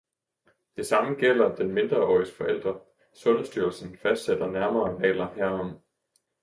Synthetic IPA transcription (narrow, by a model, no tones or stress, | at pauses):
d̥e̝sɑ̈məɡ̥el̰ɐd̥enme̝nd̥ʁɐɒ̰isɡ̥fɒ̽el̰d̥ʁɐ | sɔ̽nəsd̥yːɐl̩sn̩fæsd̥sed̥ɐnæɐmɐːʁɛ̰ːlɐhæɐ̰ɒ̽m̰